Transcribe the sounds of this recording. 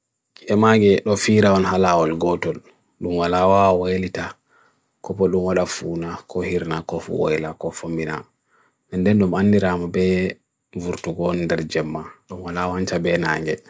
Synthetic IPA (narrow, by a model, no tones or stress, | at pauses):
ʔɛmaɡɛɗɔfiːɾaɔnhalawɔlɡɔtɔl | ɗumwalawawwolita | kɔpɔɗumwaɗafuːnakʰɔhiɾnakɔfṵwɔ̰jlakɔfombina̰ | nɛndɛnɗumanːiɾamabɛ | vuɾtuɡɔlndɛɾd͡ʒɛmːaɗumwalawantabɛnaːŋɡɛ